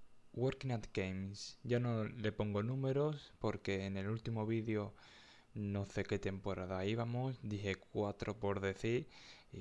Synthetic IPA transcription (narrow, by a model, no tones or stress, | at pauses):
woɾkinat̪ɡejmsɟ͡ʝano̞le̞po̞ŋɡo̞nũme̞ɾospo̞ɾke̞ːne̞lult̪imo̞β̞iðjo | no̞θe̞ke̞t̪e̞mpo̞ɾaðaiβamosd̪iɦe̞kwat̪ɾo̞po̞ɾðe̞θiɾ